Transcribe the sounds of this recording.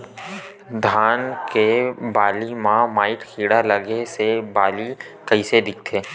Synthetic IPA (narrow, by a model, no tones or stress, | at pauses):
d̪ʱaːnkebaːlimãmaːɪʈkʰiːɽaləɡesebaːlikɐised̪ɪk̚ʰt̪ʰeː